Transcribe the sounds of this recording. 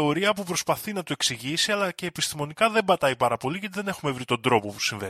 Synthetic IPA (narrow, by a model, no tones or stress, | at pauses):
o̞ɾiɐp̬upɾo̞spɐθinɐt̪oeksiʝisiɐlɐce̞ːpist̪imo̞nikɐðe̞mbɐt̪ɐipɐɾɐpo̞liʝɐt̪̬iðe̞ne̞xume̞vɾit̪o̞nd̪ɾo̞po̞pu̥siɱvḛ